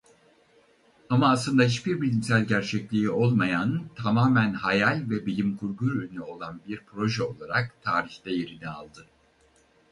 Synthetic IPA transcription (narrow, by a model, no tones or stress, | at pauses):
amaːslˠɯnd̪ahiʃbiɾbilʲimsælʲɟæɾt͡ʃʰɛclʲiio̞lˠmajant̪ʰamaːmænhajalʲvɛbilʲimkʰuɾɡuɾønyo̞lˠanbiɾpɾo̞ʒɛo̞lˠaɾakt̪ʰaːɾiçt̪ɛje̞ɾinia̰lˠd̪ɯ